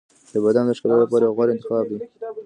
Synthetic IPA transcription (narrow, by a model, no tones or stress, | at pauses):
d̪̥əbad̪and̪əʃkalalapɑɾajɣwaɾɪnt̪ɪxɑb̚d̪i